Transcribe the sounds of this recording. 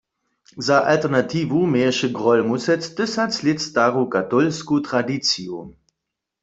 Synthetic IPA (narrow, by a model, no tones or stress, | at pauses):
zaʔa̰ltɛʁnat̪iːvumɛːɛʃɛɡʁɔlmusɛtd̪̥ɪsat͡slɪtst̪aʁukat̪ɔlskut̪ʁadit͡siu